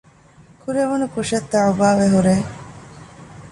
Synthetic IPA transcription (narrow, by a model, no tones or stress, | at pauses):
kʰuɾeʋonukuʃɐt̪ːaʕubaːʋeɦuɾeː